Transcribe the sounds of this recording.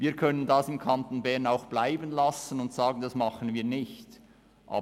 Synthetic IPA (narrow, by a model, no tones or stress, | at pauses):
viːkʰœnəndɑsɪmkʰɑnt̪n̩bɛɐnaʊxb̥laɪbənlɑsənʊntsaːɡən̩dɑsmɑχənviːɐnɪçt | ʔa̰ː